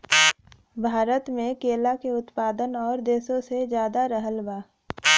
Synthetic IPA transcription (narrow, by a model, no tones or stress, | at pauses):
bʱaːɾət̪mẽkeːlakeʊt̪paːd̪ənɔːɾd̪eːsõsed͡ʒjaːd̪aɾəɦəlbaː